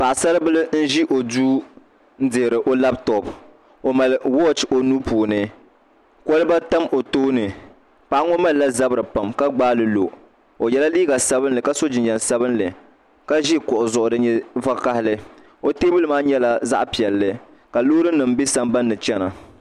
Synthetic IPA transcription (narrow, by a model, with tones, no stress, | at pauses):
pa˨ʔsa˦lɨ˦bɨ˦lɨ˦n̩˦ʒi˦ʔo˨duː˦ | n̩˦dɨ˨ɾɨ˨ʔo˦la˦btɔ˦b | o˨ma˨lwɔ˦˨t͡ʃo˨nuː˦puː˨nɨ˦ | kɔ˦lɨ˦ba˦ta˦mo˨toː˦nɨ˨ | pa˨ʔa˦ŋɔ˦ma˦lla˦za˦bɨ˨ɾɨ˨pa˨mka˦ɡ͡baː˦lɨ˨lo˨ | o˨jɛ˨la˦liː˦ɡa˨sa˦bɨ˦nlɨ˨ka˦so˦d͡ʒɪ˨ɲɲɛ˨nsa˦bɨ˦nlɨ˨ | ka˦ʒi˦kʊ˨ʔʊ˨zʊ˨ʔʊ˨dɨ˦ɲɛ˦va˦ka˦hɪ˦lɨ˦ | o˦teː˦bɨ˦lɨ˦maː˦ɲɛ˦la˨za̰˦ʔpi˨ɛ˨lːɨ˦ | ka˨lo˦ɾɨ˦nɨ˨m̩bi˦sa˦mba˦nːɨ˨t͡ʃɛ˦na̰˨